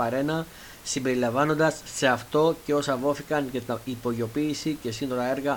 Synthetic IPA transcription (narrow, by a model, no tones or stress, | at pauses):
ɐɾe̞nɐ | simbe̞ɾilɐɱvɐno̞nd̪ɐsːe̞ɐft̪o̞ce̞o̞sɐvo̞θikɐncɐt̪ipo̞ʝo̞piːsice̞sino̞ɾɐe̞ɾɣɐ